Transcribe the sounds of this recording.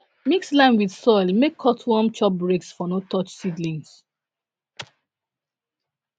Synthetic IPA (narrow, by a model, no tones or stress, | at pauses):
mikslãɪ̃nwið̥sɔɪlmekʰːɔtʰwɔmt͡ʃɔp̚bɹeksfɔnotʰɔt͡ʃsidlĩŋs